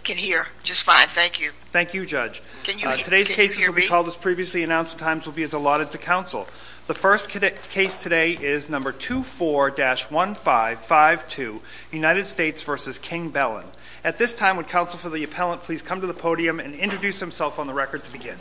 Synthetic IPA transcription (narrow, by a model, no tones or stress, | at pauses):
kʰɨ̃nhiɹd͡ʒʌstfãɪ̃nθæ̃ŋkjʉ | θæ̃ŋkjɨd͡ʒʌ̥ʒ̥ | ktʰɨɾeɪz̥kʰeɪsɨzwəlˠbikʰɔlˠdəspʰɹ̥iviɨsliɨnãʊ̃nstʰãɪ̃mzwəlˠbiɨzəlɔɾɨd̚tʰɨkʰãʊ̃nsl̩ˠ | ðəfɜ˞skʰkʰeɪstʰɨɾeɪʔɪznʌ̃mbə˞tʰʉfɔɹdæʃwʌ̃nfaɪv̥faɪv̥tʰʉ | jʉnaɪɾɨd̥steɪtsv̥ɜ˞sɨz̥kʰɪ̃ŋbɛlˠə̰̃n | ɨt̪̚ðɪstʰãɪ̃mwɨd̚kʰãʊ̃nsl̩ˠfə˞ðiɨpʰɛlˠə̃npʰl̥iz̥kʰʌ̃mtɨðəpʰoʊɾiɨ̃mɨ̃nɪ̃nt͡ʃɹ̥ɨdʉshɨ̃msɛlˠfn̩ðəɹɛkə˞d̚tʰɨbɨɡɪ̃n